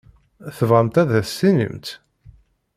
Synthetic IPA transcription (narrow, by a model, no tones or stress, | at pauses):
θəvʁəmt̪æðæsinḭmt̪